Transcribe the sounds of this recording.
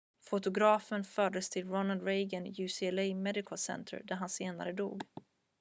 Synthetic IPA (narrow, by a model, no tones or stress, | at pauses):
fʊt̪ʊɡɾɑːfənfœːɖəst̪ʰɪlɾɔnald̪ɾejɡənjʉːsiɛlɛjmɛd̪ɪkʰəlsɛ̰nt̪ʰə̰ɾd̪æɾɦanseːna̰ɾəd̪ṵːɡ